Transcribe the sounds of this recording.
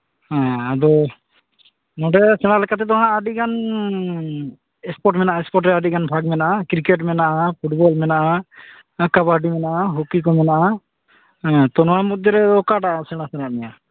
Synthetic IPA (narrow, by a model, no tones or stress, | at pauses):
hãad̪ɔ | nɔɖɛsɛɽ̃alɛkat̪̬ɛt̪ɔɦãaɖikan | ɛspɔʈmɛnaʔaɛspɔʈ̬ɾɛaɖikanbʱaɡmɛnaʔakɾikeʈmɛnaʔapʰuʈbɔlmɛnaʔa | kabaɖimɛnaʔaɦukikɔmɛnaʔã | t̪ɔnɔwamud̪ɔɾɛɔkaʈaʔasɛɽ̃asɛɽ̃aʔnɛja